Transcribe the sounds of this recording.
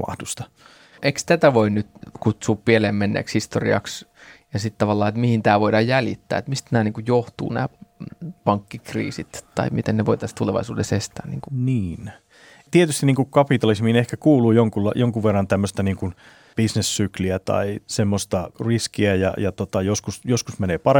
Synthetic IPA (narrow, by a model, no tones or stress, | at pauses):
mɑ̰hd̥ust̪ɑ̥ | ʔekst̪æt̪æʋoinnyt̪kut̪suːppieleːmmenːḛːkshist̪orḭɑ̰ksjɑsit̪t̪ɑʋɑlːɑːet̪mihint̪æːʋoidɑjjælit̪ːæ̰ːet̪mist̪næːniːŋkujjoht̪ṵːnæ̰ː | pɑŋkːikrḭːsit̪t̪ɑ̰imit̪enneʋoit̪ɑst̪uleʋɑ̰isuːdesest̪æːnḭːŋkuniːn | t̪iet̪yst̪iniːŋkukkɑpit̪ɑlismiːnehkækuːluːjoŋkulːɑjoŋkuʋːerːɑnt̪æmːøst̪ɑniːŋkun | b̥isnesːykliæt̪ɑ̰isemːost̪ɑriskiæjɑ̰jɑt̪ot̪ɑjoskusjoskusmeneːpɑre